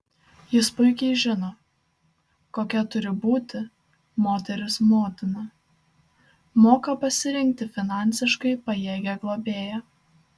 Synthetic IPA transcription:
jɪspʊɪkʲɛɪʒʲɪnoː | koːkʲɛt̪ʊɾʲɪbuːt̪ʲɪ | moːt̪ʲɛɾʲɪsmoːt̪ʲɪnɐ | moːkɐpɐsʲɪɾʲɪŋʲk̚ʲt̪ʲɪfʲɪnɑˑnʲsʲɪʃkɐɪpɐjeːɡʲɛɡlˠoːbʲeːjɛ

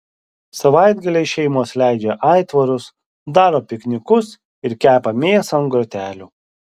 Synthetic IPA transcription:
sɐʋɑˑɪd̪ɡɐlʲeɪʃʲɛɪmoːslʲæˑɪd͡ʒʲeʔɑɪt̪ʋɐɾʊs | d̪ɑːɾoːpʲɪknʲɪkʊs | ɪɾkʲæːpɐmʲeːsɐnɡɾoːt̪ʲæːlʲuː

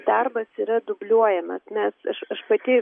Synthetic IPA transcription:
d̪ɐrbɐsiːɾɐd̪ʊbʲlʲuɔjɛmɐ̰smʲɛsɐʃɐʃpɐt̪ʲɪː

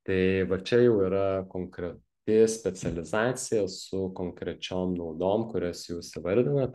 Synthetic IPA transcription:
t̪ɐɪʋɐt͡ʃʲɛjɛʊiːɾɐkoːŋkɾʲɛt̪ʲɪsʲpʲɛsʲɛlʲɪzɑːt̪sʲɪjɛsʊkoːŋkɾʲɛt͡ʃʲoːmnɐʊd̪oːmkʊɾʲɛsjɛʊsʲɪʋɐlʲd̪ʲɪnɐ

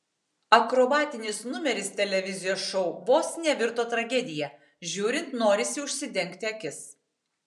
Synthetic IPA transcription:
ɐkɾobɑːt̪ʲɪnʲɪsnʊmʲɛɾʲɪst̪ʲɛlʲɛʋʲɪzʲɪjoːsʃɔʊboːsnʲɛʋʲɪɾt̪oːt̪ɾɐɡʲɛd̪ʲɪjɛ | ʒʲuːɾʲɪnt̪noːɾʲɪsʲɪʊʃʲsʲɪd̪ʲɛŋʲˑkt̪ʲɪɐkʲɪs

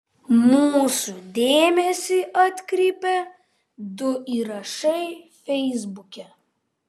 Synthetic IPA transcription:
muːsud̪ʲeːmʲɛsʲiːʔɐt̪ʲkɾʲiːpʲɛ | d̪ʊʔiːɾɐʃɐɪfʲɛɪzbʊkʲɛ

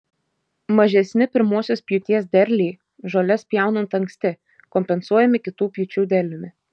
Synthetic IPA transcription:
mɐʒʲɛsʲnʲɪpʲɪɾmuɔsʲoːspʲjʊt̪ʲiɛs̬d̪ʲɛɾʲlʲiː | ʒolʲɛspʲjɛˑʊnɐnt̪ɐŋʲksʲt̪ʲɪ | kɔmʲpʲɛnsuɔjɛmʲɪkʲɪt̪uːpʲjut͡ʃʲuːd̪ʲɛɾʲlʲʊmʲɪ

